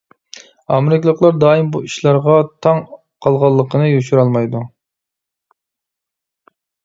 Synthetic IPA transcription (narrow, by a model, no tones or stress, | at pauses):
ɑ̰meɾɪkʰʲlˠəqlˠɑɾd̪ɑːimbuiʃlˠɑɾʁɑt̪ʰɑŋ | qʰɑlˠʁɑlˠːəqʰənɨjyʃyɾɑlˠmɑjd̪u